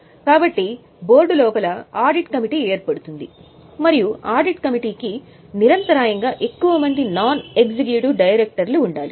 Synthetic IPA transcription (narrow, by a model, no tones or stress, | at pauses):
kaːbɐʈːi | bo̞ːɾɖulɔːpɐlɐaːɾɖiʈkɐmiʈiːeːɾpɐɽut̪und̪i | mɐɾijuaːɖiʈkɐmiʈiːki | niɾɐnt̪ɐɾaːjɐŋɡaːʔe̞kːuʋɐmɐnd̪inaːne̞kd͡ʒiɡjuʈuɖɐjɐɾek̚ʈɐɾluːɳɖaːli